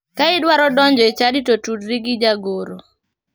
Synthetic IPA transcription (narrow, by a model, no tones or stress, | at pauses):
kaɪdwaɾɔdɔɲd͡ʒɔet͡ʃaditotudɾiɡid͡ʒaɡoɾo